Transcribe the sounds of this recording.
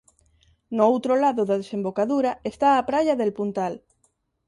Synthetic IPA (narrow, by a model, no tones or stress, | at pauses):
noowt̪ɾolaðʊðaðesembokaðuɾaest̪aːpɾaʎaðelpunt̪al